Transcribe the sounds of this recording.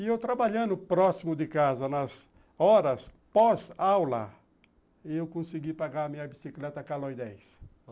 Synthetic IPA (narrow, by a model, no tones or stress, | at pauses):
ɪewt̪ɾabaʎɐ̃nd̪ʊpɾɔsimʊd̪ɪkazɐnɐz | ɔɾɐs | pɔzawlɐ̰ | ewkõsɪɡipaɡaɾɐmĩɲɐbisiklɛt̪ɐkalojd̪ɛjs